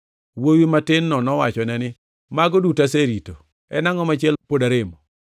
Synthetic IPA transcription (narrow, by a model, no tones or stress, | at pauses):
wowimatɪnːɔnɔwat͡ʃɔnɛnɪ | maɡodutaseɾito | ɛnaŋɔmat͡ʃɪɛlpodaɾemɔ